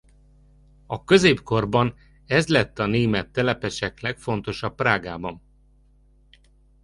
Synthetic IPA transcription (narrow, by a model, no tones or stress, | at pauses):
ɒkø̞zeːpko̞rbɒn | ɛzlɛt̪ːɒneːmɛt̪ːɛlɛpɛʃɛklɛkfo̞nt̪o̞ʃɒpːraːɡaːbɒn